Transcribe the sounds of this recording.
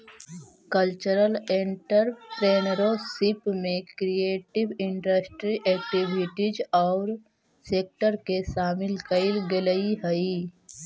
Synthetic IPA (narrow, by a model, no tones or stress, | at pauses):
kəlt͡ʃəɾəleɳʈəɾpɾeːnɾosɪpmẽkɾieːʈɪʋɪ̃ɳɖəsʈɾiʔɛːk̚ʈibʱɪʈid͡ʒɔːɾ | seːk̚ʈəɾkesaːmɪlkəɪlɡeləiɦəi